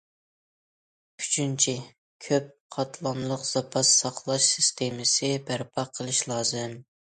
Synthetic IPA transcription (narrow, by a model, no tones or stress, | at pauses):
kʲʰy̥t͡ʃʰynt͡ʃʰi | kʲʰøp̚qʰɑt̪ʰlˠɑnlˠəqz̥ɑpʰɑt̪sɑχlˠɑʃsɪst̪ʰemɪsɪbæɾpʰɑqʰːəlˠɨʃlˠɑːzɨm